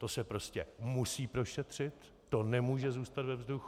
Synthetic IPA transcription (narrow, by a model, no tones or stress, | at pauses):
t̪o̞sɛpɾo̞scʲɛ̰musiːpɾo̞ʃɛt̪r̝̥ɪt̪ː | o̞nɛmuːʒɛzuːst̪at̪vɛvzdux